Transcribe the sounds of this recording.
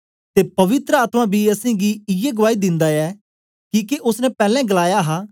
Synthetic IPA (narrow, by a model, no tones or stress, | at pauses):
t̪eːpɐʋɪt̪ɾəaːt̪mãbʱiəsẽɡiɪjeɡʊʋaːid̪ɪ̃nd̪aɛː | kiːkeʔʊsnɛpɛːlɛ̃ɡəlaːjaɦaː